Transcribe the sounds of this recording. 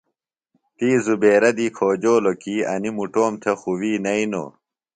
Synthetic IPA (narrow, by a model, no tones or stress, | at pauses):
t̪iːzubeːɾɐd̪ikʰoːd͡ʑoːlokiːɐ̰nimuʈoːmt̪ʰɐxuwiːnɐino̰ː